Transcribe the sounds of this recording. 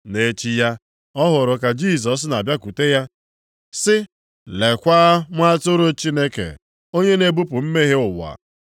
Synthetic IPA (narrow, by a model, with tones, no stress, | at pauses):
ne˦t͡ʃi˦ja˦ | ɔ˦ɦʊ˨ɾʊ˨ka˨d͡ʒi˦˨s̬ɔ˨s̬na˨bja˦ku˨te˦ja˦ | sɪ˦ | le˨kʷa˦ŋʷa˦tʊ˦ɾʊ˦t͡ʃi˦ne˦kḛ˨ | o˦ɲe˦ne˨bu˦pʊ˨m̩˦me˦ɦe˦ʊ˨wa̰˨